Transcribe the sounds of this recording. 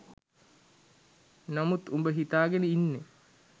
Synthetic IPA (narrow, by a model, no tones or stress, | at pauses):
namut̪umbəɦit̪aːɡenəinːe